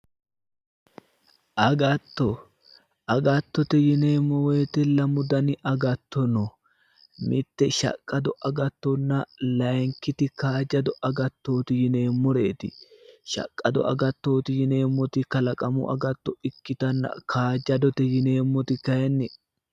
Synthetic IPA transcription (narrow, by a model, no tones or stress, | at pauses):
ʔɐɡɐt̪ːɔ | ɐɡɐt̪ːɔt̪ɛjɪne̞ːmːɔwe̞ːt̪ɛlɐmʊd̪ɐnɪʔɐɡɐt̪ːɔnɔ | mʔɪt̪ːɛʃɐ̰kʼːɐd̪ɔʔɐɡɐt̪ːɔnːɐlɐjŋkɪt̪ɪkaːd͡ʒɐd̪ɔʔɐɡɐt̪ːo̞ːt̪ɪjɪne̞ːmːɔɾe̞ːt̪ɪʃɐ̰kʼːɐd̪ɔ̰ʔɐ̰ɡɐt̪ːo̞ːt̪ɪjɪne̞ːmːɔt̪ɪkɐlɐkʼɐmʊ̰ʔɐ̰ɡɐt̪ːɔɪkːɪt̪ɐnːɐ̰kʰaːd͡ʒɐd̪ɔt̪ɛjɪne̞ːmːɔt̪ɪkɐjɛnːɪ